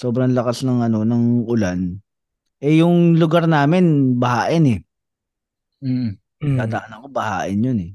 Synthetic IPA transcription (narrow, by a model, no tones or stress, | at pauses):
so̞ːbɾɐŋlɐkasnɐŋʔɐno̞nɐŋʔʊlan | ʔɛjʊŋlʊɡaɾnaːmɪnbɐhaːʔɪnɛ | m̩ː | ɡt̪aːd̪ɐʔanɐko̞bɐhaːʔɪnjʊnɛ